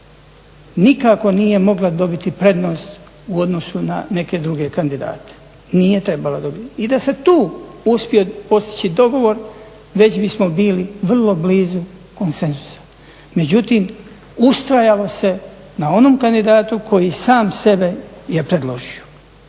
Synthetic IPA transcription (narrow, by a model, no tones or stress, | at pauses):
nikako̞niːje̞mo̞ɡlad̪o̞bit̪ipɾe̞d̪no̞ːst̪ | uo̞d̪no̞suna̰ne̞ke̞d̪ɾuɡe̞kand̪id̪a̰ːt̪e̥ | niːje̞t̪ɾe̞balad̪o̞bit̪id̪ase̞t̪uːuspʲio̞po̞st̪i̥t͡ɕid̪o̞ɡo̞ʋo̞ɾ | ʋe̞t͡ɕbismo̞biːliʋr̩lo̞bliːzuko̞nse̞nzu̥sḁ | me̞d͡ʑut̪iːm | ust̪ɾajalo̞se̞ | nao̞noːmkand̪id̪aːt̪ukʰo̞jisaːmse̞be̞jepɾed̪lo̞ʒio